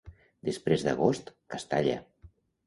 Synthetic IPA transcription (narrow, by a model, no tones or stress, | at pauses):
d̪əspɾezd̪əɣost̪kast̪aʎə̰